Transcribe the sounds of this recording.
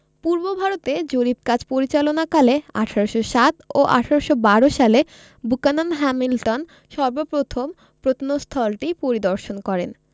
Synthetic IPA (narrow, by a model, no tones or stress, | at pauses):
puɾbobʱaɾot̪ed͡ʑoɾib̚kad͡ʑpoɾit͡ɕalonakalea̰ʈʰaɾoʃoʃat̪oʔa̰ʈʰaɾoʃobaɾoʃale | bukanonɦɛmilʈon | ʃɔɾbopɾot̪ʰom | pɾot̪ʰnost̪ʰɔlʈipoɾid̪ɔɾʃonkɔɾḛn